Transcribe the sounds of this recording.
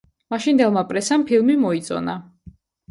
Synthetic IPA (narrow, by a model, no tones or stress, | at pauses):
maʃind̪ɛlˠmapʼɾɛsampʰilˠmimɔit̪sʼɔ̰na